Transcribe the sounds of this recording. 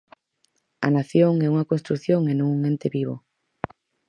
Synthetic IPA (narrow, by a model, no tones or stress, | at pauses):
a̰naθjoŋɛuŋakonst̪ɾuθjoŋenõŋuŋẽnt̪eβiβo